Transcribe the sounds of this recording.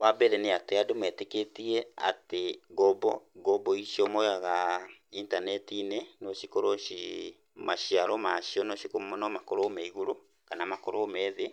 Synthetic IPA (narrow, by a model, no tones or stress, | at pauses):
wabeɾeneateadomwɛteketiea̰teɡɔbɔɡɔboiʃiomojaɣaintanɛtinenoʃikoɾoʃi | maʃiaɾomaʃiɔnoʃikomonɔmakoɾomaiɣuɾo | kanamakoɾoːmɛːðe